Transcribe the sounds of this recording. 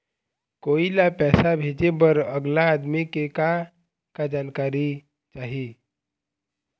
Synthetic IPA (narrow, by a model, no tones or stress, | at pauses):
koːilapɛːsabʱeːd͡ʒebəɾəɡlaːd̪mikeka | kad͡ʒaːnkaːɾi | t͡ʃaːɦi